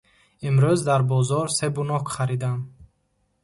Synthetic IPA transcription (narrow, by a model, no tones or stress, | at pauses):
imɾyzd̪aɾbɔzɔɾsebunɔkχaɾid̪am